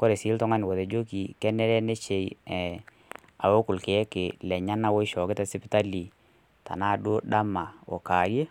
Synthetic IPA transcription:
kɔ˦ɾe˨sɪ˨˦ltɔ˦ŋa˦nɪ˨ko˨te˨d͡ʒo˦ki˨kɛ˦nɛ˦ɾɛ˦ne˦t͡ʃe˨jɛ˨ | a̰˨wo˦kʊ˨lkɪ˨ɛ˦kɪ˨lɛ˨ɲa˦na˦wɔ˦i˦ʃɔ˨kɪ˦ta˦sɪ˦pɪ˦ta˦li˨ | ta̰˨na˦dʊ˦da˦ma˨ɔ̰˨ka˨ɾje˦

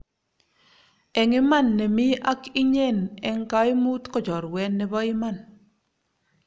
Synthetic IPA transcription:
ɛ˨ŋi˦ma˦nːɛ˨mi˦ʔa˦ki˦ɲɛ˦˨nɛ˨ŋka˦i˦muː˦tkɔ˨d͡ʒɔ˨ɾwɛ˨nːɛ˨bɔ˦i˦ma˦n

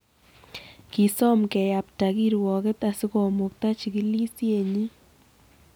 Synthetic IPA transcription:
ki˨sɔ˦mkɛ˨ja˨p̚ta˨ki˦ɾwɔ˨ke˦t̪a˨si˦kɔ˨mʊ˨k̚ta˦t͡ʃi˨ki˦li˦sje˨ɲi˦

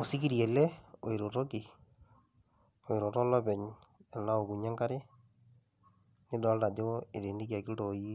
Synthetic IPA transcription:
o˨si˦ki˦ɾje˨le˦o˨i˨ɾo˨to˦ki˨ | o˨i˨ɾo˨tɔ˦lɔ˦bɛ˨ɲa˨la˦o˨ku˨ɲa˦ŋka˦ɾe˦ | ni˦dɔ˨˦lta˨d͡ʒo˦e˨ɾe˨ndi˦ka˨ki˦lto˨ji˦

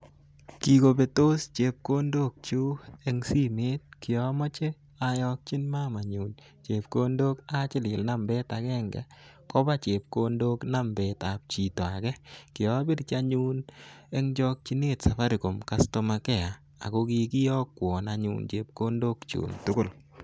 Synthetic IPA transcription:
ki˨ɡo˨be˨to˦st͡ʃe˨p̚ko˦ndo˦˨k̚t͡ʃu˦e˦ŋsi˦me˦t̚kɪ˨jɔ˨˦mɔ˦t͡ʃe˦ | a˨jɔ˦k̚t͡ʃi˦nma˦ma˨ɲu˨n | t͡ʃe˨pko˦ndo˦ka˦t͡ʃɪ˦lɪ˨lna˦mbe˦ta˨ɡɛ˦ŋɡɛ̰˨ | kɔ˦ba˦t͡ʃe˨p̚ko˦ndo˦kna˦mbe˨ta˨p̚t͡ʃi˨to˨a˨ɡɛ˦kɪ˨ɔ˨˦bi˦ɾt͡ʃa˦ɲu˦nɛ˦ŋd͡ʒɔ˦˧k̚t͡ʃi˦ne˦tsa˨fa˦ɾi˨ko˨mka˦sto˦ma˨kɛ˦˨a˨ | a̰˨ko˦ki˦ki˦jɔ˦kːwɔ˨na˨ɲṵː˦nt͡ʃḛ˨p̚ko˦ndo˦kt͡ʃṵ˨mtʊ˦kʊ˦˨l

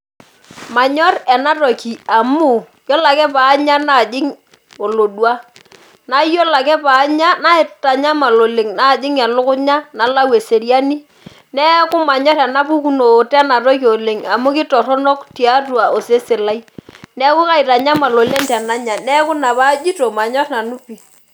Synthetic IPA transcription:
ma˨ɲɔ˦ɾɛ˨na˦to˨ki˨a˨mu˦˨ | jɔ˦la˨kɛ˦pa˨˦ɲa˦na˨d͡ʒɪ˦ŋ | o˨lo˨dwa˦ | na˦jɔ˦la˨kɛ˦pa˨˦ɲa˦na˦ɪ˨ta˨ɲa˦ma˨lo˨le˨ŋna˦˨d͡ʒɪ˦ŋɛ˨lʊ˦kʊ˦ɲa˦na˨la˦we˨se˨ɾja˦ni˦ | nɛ˦kʊ˦ma˨ɲɔ˦ɾa˨na˦pu˦ku˦no˨tɛ˦na˨to˦ki˦o˨le˨ŋa˨mʊ˦kɪ˦tɔ˨ɾɔ˦no˦kti˨a˦twa˨o˨se˦sɪ˨la˦jnɛ˦kʊ˦ka˦ɪ˨ta˨ɲa˦ma˨lo˨le˦ntɛ˨na˦ɲa˨nɛ˦kʊ˦na˨pa˦d͡ʒi˦to˨ma˨ɲɔ˦tna˨nu˦pi˨

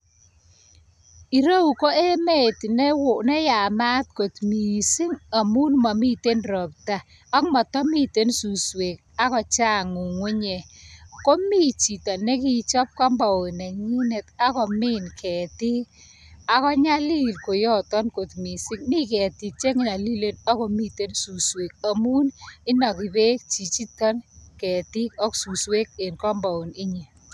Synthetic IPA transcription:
i˨ɾo˦u˨ko˦e˦me˦tnɛ˦wo˨nɛ˦ja˨ma˦tko˨tmi˨sɪ˦ŋa˨mu˦nma˨mi˦te˦nrɔ˨pta˨ | a˦kmɔ˨tɔ˦mi˦te˦nsu˨swe˨k̚ | a˦kɔ˨t͡ʃa˦ŋu˨ŋwu˦ɲɛ˨ko˦mi˦t͡ʃi˨ta˨ne˦ki˦t͡ʃɔ˦p̚ka˦mba˨o˨nɛ˨ɲi˦ne˨ta˦kɔ˨mi˦nkʰɛ˨ti˦ | a˨kɔ˦ɲa˦li˦˨lko˨jɔ˦tɔ˦nko˨tmi˨si˦k̚mi˦kɛ˨ti˨k̚t͡ʃe˦ŋɪ˨na˨li˦le˦na˦ko˨mi˦te˦nsu˨swe˨k̚a˨mu˦nɪ˦na˨ki˨be˦kt͡ʃi˨t͡ʃi˦tɔ˦nkɛ˨ti˦kɔ˦ksu˨swe˦k̚e˨nkɔ˦mba˨o˨nɪ˦ɲe˨

